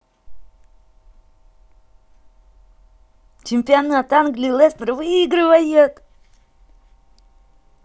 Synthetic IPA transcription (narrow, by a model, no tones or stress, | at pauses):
t͡ʃɪmʲpʲɪanat̪anɡlʲilˠest̪ɾvɨiɡɾɨvɐjet̪